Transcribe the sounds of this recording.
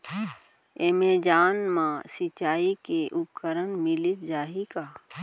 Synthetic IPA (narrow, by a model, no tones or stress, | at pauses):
emeːd͡ʒaːnmãsɪt͡ʃaːikeʔʊp̚kəɾənmɪlɪsd͡ʒaːɦikaː